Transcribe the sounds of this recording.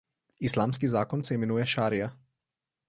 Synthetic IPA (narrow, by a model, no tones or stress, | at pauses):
islaːmskizaːkɔnsɛimɛnuːjɛʃaːɾija